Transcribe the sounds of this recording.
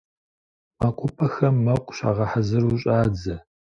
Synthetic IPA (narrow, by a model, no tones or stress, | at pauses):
makʷʼʊpʰɐxɐmːɐqʷʼɕa̰ːʁɐħɐzɨɾuːɕʼaːd͡zɐ